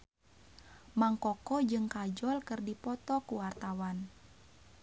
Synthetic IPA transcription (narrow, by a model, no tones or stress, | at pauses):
maŋkɔkɔd͡ʒɨŋkad͡ʒɔlkɨrdipɔt̪ɔkuwart̪awan